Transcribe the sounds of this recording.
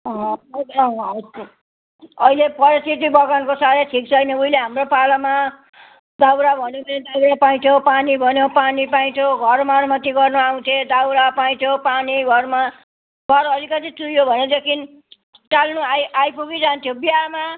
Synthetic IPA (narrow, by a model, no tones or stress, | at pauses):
ʌɦʌɦʌ | ʌilepʌɾisit̪ibʌɡankosaɾeʈʰik̚t͡sʰʌjnʌuileɦamropalama | d̪awɾabʱʌnened̪aɾapaĩt̪ʰjopanibʱʌnjopanipaĩt̪ʰjoɡʱʌrmarmʌt̪iɡʌrnuaw̃t̪ʰed̪awɾapaj̃t̪ʰjopaniɡʱʌrma | ɡʱʌɾʌlikʌt̪ʰit̪ujobʱʌned̪ekʰin | ʈalnuajajpuɡid͡zant̪ʰjobiama